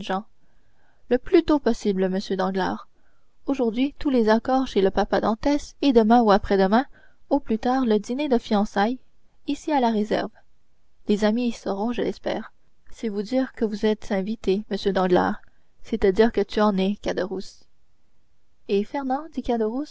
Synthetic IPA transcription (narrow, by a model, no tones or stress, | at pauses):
ʒɑ̃ | ləplyt̪opɔsibləməsjød̪ɑ̃ɡla̰ːʁ | oʒuʁd̪ɥit̪ulezakɔːʁʃeləpapad̪ɑ̃t̪ɛsed̪əmɛ̃uapχɛd̪əmɛ̃ | oplyt̪aːʁləd̪ined̪əfiɑ̃saj | isialaʁezɛ̰ʁv | lezamisəʁɔ̃ʒəlɛspɛ̰ːʁ | sɛvud̪iːʁkəvuzɛt̪zɛ̃vit̪eməsjød̪ɑ̃ɡla̰ːʁ | set̪ad̪iːʁkət̪yɑ̃nɛkad̪əʁus | efɛʁnɑ̃d̪ikad̪əʁus